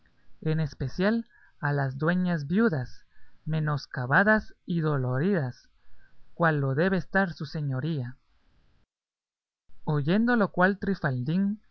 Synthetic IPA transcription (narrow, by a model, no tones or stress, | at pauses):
e̞ne̞spe̞sjal | alazd̪we̞ɲazbjuðasmẽ̞no̞skaβaðasiðo̞lo̞ɾiðas | kwalːo̞ðe̞βeːst̪aɾsuse̞ɲo̞ɾia | o̞ʝe̞nd̪o̞lo̞kwalt̪ɾifald̪iŋ